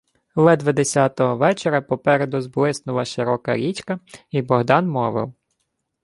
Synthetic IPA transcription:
lˠɛd̪ʋɐd̪esʲɑt̪ɔɦɔʋɛt͡ʃeɾʲɐpɔpɛɾed̪ʊzblˠɪsnʊlˠɐʃɪɾɔkɐ̰ɾʲit͡ʃkɐibɔɦd̪ɑnmɔʋɪ̰w

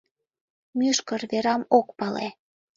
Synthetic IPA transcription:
myʃkərβeɾɑmokpɑlḛ

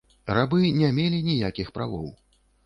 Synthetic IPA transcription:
rabɨnʲɛmʲelʲinʲijakʲixpɾa̰vɔw

